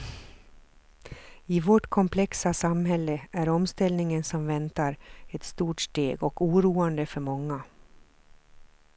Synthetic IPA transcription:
ɪvɔʈkʰɔmpʰlɛksasamɦɛlːəæɾɔmst̪ɛlnɪŋənsɔmvɛnt̪aɾɛt̪st̪uːʈʂʈ̪ḛːɡɔkuːɾuːand̪əfœɾmɔŋːa

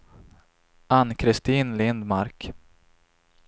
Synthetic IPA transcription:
anːkʰɾɪst̪iːnlɪnd̪maɾk

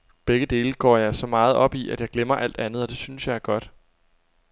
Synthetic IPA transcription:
b̥eɡ̥əd̥e̝ːləɡ̥ɒ̰ːjɑ̈ɪsɒ̽mɑ̈ːð̞̩ˠɒ̽b̥iʔæd̥jɑ̈ɪɡ̥lem̰ɐʔæl̰d̥ænð̞̩ˠɒ̽d̥e̝synəsjɑ̈ɪæɐɡ̥ɒ̽d̥

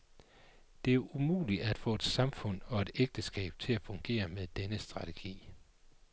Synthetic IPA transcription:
d̥e̝æɐʔumṵːliæd̥fɔ̰̽e̝d̥sɑ̈mfɔ̽n̰ɒ̽e̝d̥eɡ̥̚d̥əsɡ̥ɛ̰ːb̥̚t͡sʰe̝læfɔ̽ŋɡ̥e̝̰ːɐmeðˠd̥enəsd̥ʁɑ̈t͡sʰe̝ɡ̥ḭː

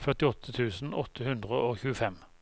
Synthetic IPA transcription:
fœʁt̪ɪɔt̪ʰət̪ʰʉːsn̩ɔt̪ʰəhʉnd̪ʁəʔoːçʉːəfɛm

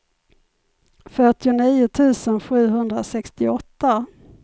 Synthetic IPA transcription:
fœʈɪʊniːʊt̪ʰʉ̟ːsənɧʉ̟ːɦɵnd̪ɾasɛkst̪ɪɔt̪ːa

